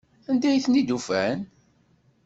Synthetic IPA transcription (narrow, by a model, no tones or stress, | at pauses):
ænd̪æjθnid̪ufæn